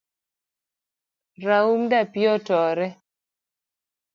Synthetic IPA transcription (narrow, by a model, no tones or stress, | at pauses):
ɾaumdapjɔtɔɾɛ